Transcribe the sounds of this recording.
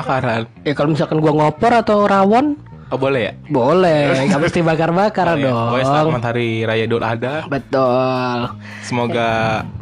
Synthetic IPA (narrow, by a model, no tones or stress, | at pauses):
akaɾan | jakalomisakanɡuaŋɔpɔɾat̪awɾawɔn | ɔbolɛɦja̰bolɛhkamʊst̪ibakarbakaɾdɔajsŋmant̪aɾiɾajadat̪a̰dabət̪ʊl | səmoɡa